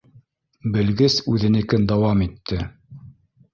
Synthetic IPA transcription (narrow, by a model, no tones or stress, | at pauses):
bɘ̆lɡɘsʉðɘ̆nɘ̆kɘnd̪ɑwɑmit̪ːɘ